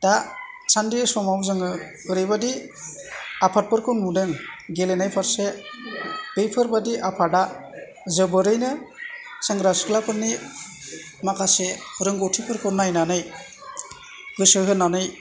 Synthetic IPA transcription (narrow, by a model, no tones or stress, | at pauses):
d̥a | t͡ʃʰandisɔmawzɯŋɯ | ɯɾɯjbadi | apʰat̚pɯɾkʰɯnmudɯŋɡelenajpʰaɾse | dɯjpʰɯɾbadiʔapʰada | zɯbɯɾɯjnɯsaŋɡɾaskʰɯlapʰɯɾni | makʰasehɯɾɯŋɡɔtʰipʰɯɾkʰɯnajnanɯj | ɡɯsɯɦɯnːanɯj